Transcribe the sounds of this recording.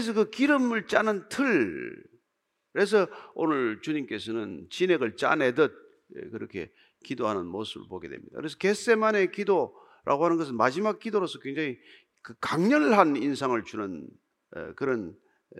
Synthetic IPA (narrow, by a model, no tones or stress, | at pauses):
es̬ʰʌkɯkiɾɯmɯɭt͡ɕanɯntʰɯɭ | kɯɾe̞s̬ʰʌonɯɭt͡ɕuɲimk͈e̞sʰʌnɯnt͡ɕineɡɯɭt͡ɕa̰nedʌt̚ | kɯɾʌkʰe̞̰ | kidoɦanɯnmosʰɯbɯ̰ɭpoɡe̞dwe̞̰mɲid̥a̰kɯɾe̞s̬ʰʌke̞s͈e̞mane̞kido | ɾʔa̰ɡoɦhanɯnɡʌs̬ʰɯnmad͡ʑimak̚k͈idoɾosʰʌkweŋd͡ʑaŋi | kɯkaŋɲʌɭɦaninsʰaŋɯɭt͡ɕunɯn̰ | kɯɾʌn